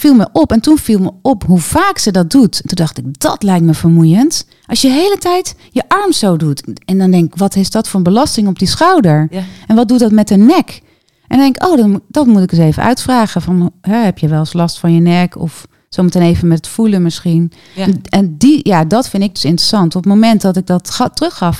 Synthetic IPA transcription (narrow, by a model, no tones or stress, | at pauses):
filˠməʔɔpɛntunfilˠməɔpɦuvaːksədɔt̚dutntundɑxtɪk̚dɔtlɛjk̚tməvəɹmujənt | ʔɑlsjəɦejlətɛjtjəʔɑɹmsowdutɛndɔndɛŋkɪkʋɔtɦesdɔtfʊnbəlɑstɪŋɔp̚disxawdəɹʔɛnʋɔt̚dutdɔtmɛtənɛk | ʔɛ̰ndɔndɛŋkɪkʔowdɔnd̥ɔtmutɪkəseːvənʔœ̰ɥtfraːɣəfɑnɦɛɦɛpjəʋɛlˠəslɑstfɑnjənɛkʰɔ̰f | sowməteneːvənmɛtətfulənmɪsxin | ɛndijadɔtfɪndɪɡ̚døsɪntrəsɑntɔpətmomɛntdɔtɪɡ̚dɔttrøxɑf